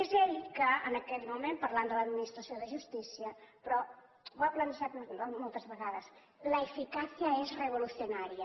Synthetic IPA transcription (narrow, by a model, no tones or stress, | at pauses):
ezelkəənəkɛt̪mumempəɾland̪ələd̪minist̪ɾəsioðəʒust̪isiəpɾɔ | aplənsat̪molˠt̪əzβəɣaðəs | ləːfikasijəezrəβ̞ulusiunaɾiə